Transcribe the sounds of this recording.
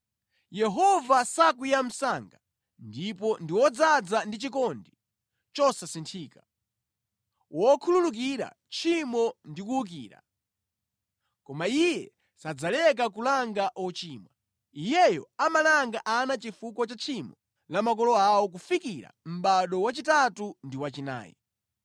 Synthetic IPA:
jɛɦɔvasakwijam̩saŋɡa | ndipɔndiwɔd͡zad͡zandit͡ʃikɔndi | t͡ʃɔsasintʰiːka | wʔɔkʰululuk̬iɾa̰ | t͡ʃʰimɔndikuuk̬iːɾa̰ | kɔmaijɛ | sad͡zalɛk̬akulaŋɡaʔɔt͡ʃiːmwa | ijɛjɔ̰amalaŋɡaʔanat͡ʃifukɔt͡ʃat͡ʃʰimɔ | lamak̬ɔlɔawɔk̬ufikiɾa̰m̩ɓaɗɔwat͡ʃitatundiwat͡ʃina̰ːjḭ

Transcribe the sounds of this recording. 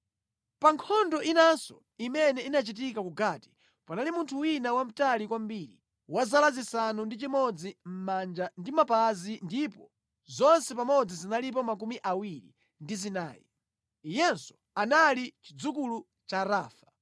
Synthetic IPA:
paŋkʰɔndɔʔinansɔ̰ | imɛnɛinat͡ʃit̬ikakuɡaːti̥ | panalimuntʰuwinawam̩talikwambiːɾi | wazalazisanundit͡ʃimɔd͡zim̩mand͡ʒandimapazindipɔ | zɔnsɛpamɔd͡zizinalip̬ɔmak̬umiʔawiɾḭ | ndizina̰ːjɛ̰ | ijɛnsɔ̥ | analit͡ʃid͡zukulu | t͡ʃaɾaːfḁ

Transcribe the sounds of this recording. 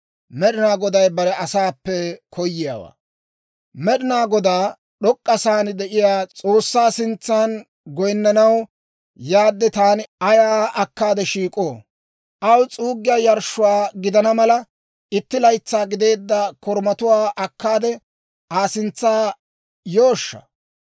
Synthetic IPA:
mɛɗɪnaːɡɔd̪ɐjbɐɾɛʔɐsaːpːɛkʰɔjːɪja̰ːwa̰ː | mɛɗɪnaːɡɔd̪aː | ɗɔkʼːɐsaːnd̪ɛʔɪjaːt͡st͡sʼo̞ːsːaːsɪnt͡sːaːn | ɡɔjnːɐnɐw | jaːd̪ːɛt̪aːnɪɐjaːʔɐkːaːd̪ɛʃiːkʼo̞ː | ʔɐwt͡sʼuːɡɪjaːjɐɾʃːʊwaːɡɪd̪ɐnɐmɐlɐ | ɪt̪ːɪlɐjt͡sːaːɡɪd̪e̞ːd̪ːɐkɔɾmɐt̪ʊwaːʔɐkːaːd̪ɛ | ʔaːsɪnt͡sːaː | joːʃːɐ̥̰

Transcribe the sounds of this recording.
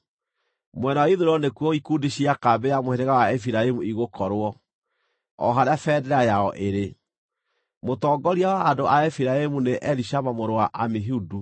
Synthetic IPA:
mwɛnawaiðoɾɔnekwɔikudeɕiakabejamoheɾeɣawaɛfiɾaemuiɣokɔɾwɔ | ɔ̰ɦaɾafɛːdɛɾajaɔʔeɾe | motɔːɡɔɾiawaːdoʔaɛfiɾaemuneʔɛɾiʃaβamoɾowaʔamiɦudu

